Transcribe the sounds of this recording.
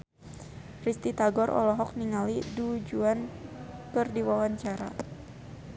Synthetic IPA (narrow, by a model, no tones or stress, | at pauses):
rist̪it̪aɡɔɾʔɔ̰lɔɦɔk̚niŋalidud͡ʒuankɨrdiwawaɲt͡ʃaɾa̰